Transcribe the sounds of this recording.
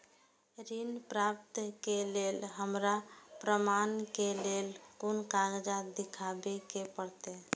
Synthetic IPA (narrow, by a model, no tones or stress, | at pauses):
ɾinpɾap̚t̪kelelɦəmɾapɾəmankelelkonkaɡd͡ʒad̪ikʰabekepəɾt̪e